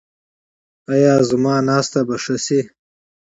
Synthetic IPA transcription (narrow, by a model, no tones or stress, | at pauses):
ajaːzumɑːnaːst̪abɐʂɐsi